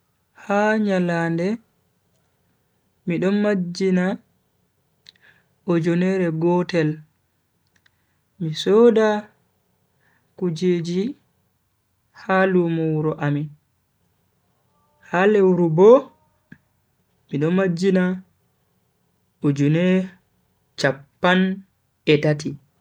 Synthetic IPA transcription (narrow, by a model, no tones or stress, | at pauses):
haɲalaːndɛ | miɗɔnmad͡ʒina | ɔd͡ʒɔnɛɾɛɡɔtɛl | misɔda | kud͡ʒeːd͡ʒi | halumɔwuɾɔʔami | halewɾubɔ | miɗɔnmad͡ʒːina | od͡ʒunɛ | t͡ʃapːan | ɛtati